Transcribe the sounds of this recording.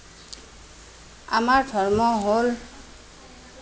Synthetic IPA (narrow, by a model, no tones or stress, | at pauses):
a̰maɹdʱɔɹmɔɦol